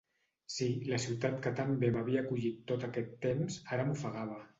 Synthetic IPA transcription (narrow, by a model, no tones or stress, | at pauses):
siləsiwt̪at̪kət̪ambemaβ̞iaːkuʎit̪ːot̪akɛt̪ːemzaɾəmufaɣaβ̞ə